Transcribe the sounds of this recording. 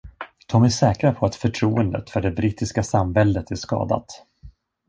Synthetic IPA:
t̪ʰɔmɛʂɛːkɾapʰɔat̪fœʈʰɾuːənd̪ə̰t̪fœɖɛbɾiːt̪ɪskasambɛld̪ət̪æʂkɑ̰ːd̪a̰t̪

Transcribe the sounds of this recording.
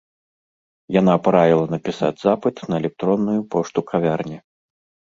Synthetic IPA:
jan̪apɾavʲilˠɐnɐpʲisa̰d͡zʲzapɨt̪nɐɛlʲɛk̚t̪ɾɔnːujupɔʂt̪ukʰavʲarnʲi

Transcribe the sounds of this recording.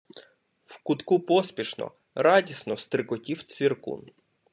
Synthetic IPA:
wkʊt̪kupɔspʲiʃnɔ̰ | ɾɑdʲisnɔst̪ɾɪkɔtʲiw̪t͡s̪ʲʋʲirkṵn

